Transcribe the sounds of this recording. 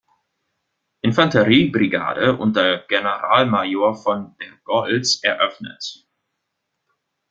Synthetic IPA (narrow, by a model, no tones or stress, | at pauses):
ʔɪnfantəʁiːbʁiɡa̰ːdəʔʊ̰nt̚deːɐɡ̥enəʁa̰ːlmajoːɐfɔndeɡ̥ɔlsʔɛɐʔœfnə̰t